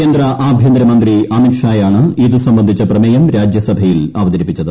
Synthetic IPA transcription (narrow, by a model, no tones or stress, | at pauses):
eːnd̪ɾɐʔʔaːbʱjɐnd̪ɾɐmɐnd̪riɐmikʂaːjaːɳɨiðɨsɐmbɐnd̪ʱit͡ɕːɐprɐmɐjɐmɾaːd͡ʑjɐsɐbʱɐjilaːʋɐðɐɾipːit͡ɕːɐðɨ